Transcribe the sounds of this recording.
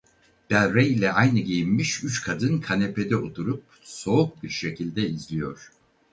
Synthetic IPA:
b̪̥æɾejlʲɛajnɯɟejinmiʃyt͡ʃkʰad̪ɯnkʰanepe̞d̪ɛot̪ʰuɾup̚so̞uk̚biɾʃe̞cʰilʲd̪ɛizlʲijo̞ɾ̥

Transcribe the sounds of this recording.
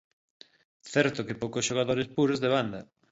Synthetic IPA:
θɛɾt̪okepowkosʃoɣ̞aðoɾespuɾozðeβ̞and̪ɐ

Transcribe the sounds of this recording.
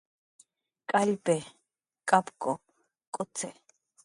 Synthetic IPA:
kʼalbɛ | kʼapkʼɔ | kʼɔt͡sʰɛ

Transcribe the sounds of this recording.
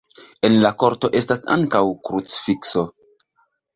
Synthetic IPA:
e̞nlako̞ɾto̞ʔe̞stasa̰ŋkawkɾut͡sfikso̞

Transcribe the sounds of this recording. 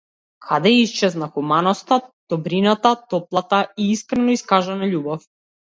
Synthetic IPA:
kʰad̪ɛist͡ʃɛznaxumanɔst̪ad̪̥ɔbɾinat̪at̪ɔplˠat̪aiiskɾɛnɔiskaʒɛnaʎubɔf

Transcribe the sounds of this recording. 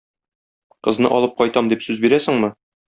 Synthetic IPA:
qɤ̆znɤ̰ʔɒlˠɤp̚qɒjt̪ɑmd̪ipsʉzbiɾæsɘ̆ŋmɤ

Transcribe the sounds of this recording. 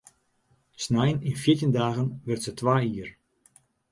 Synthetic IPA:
snajənɪnfjitəndaːɣənʋɪrtsətʋaːiər

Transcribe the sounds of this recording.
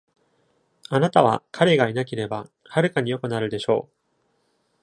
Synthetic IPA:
anat̪aβ̞a̰kʰaɾe̞ɡainake̞ɾe̞ba | haɾɯ̟kaɲ̟ijo̞kɯ̟naɾɯ̟d̪e̞ɕo̞ː

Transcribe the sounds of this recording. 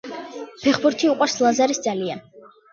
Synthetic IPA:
pʰɛχbuɾt̪ʰiuqʼwaɾslˠazaɾisd̪zalian

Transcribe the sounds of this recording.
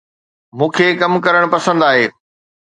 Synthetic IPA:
mũːkʰeːkɐmkɐɾəɽ̃pɐsə̃nd̪aːɦeː

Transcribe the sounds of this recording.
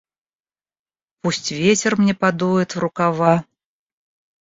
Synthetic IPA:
pusʲt͡sʲvʲet͡sʲɛrmnʲɛpad̪ujɛt̪vɾukava

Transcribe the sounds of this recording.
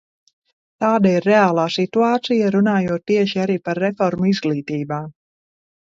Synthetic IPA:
t̪aːd̪aiɾːeaːlˠaːsit̪uaːt̪sijaɾunaːjuɔt̪̚ːiɛʃiaɾiːpaɾːefɔɾmuizɡlˠiːt̪iːbaː

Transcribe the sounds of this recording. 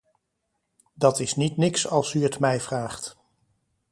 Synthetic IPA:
dɑtɪsnitnɪksɑlˠsyətmɛjv̥raːχt

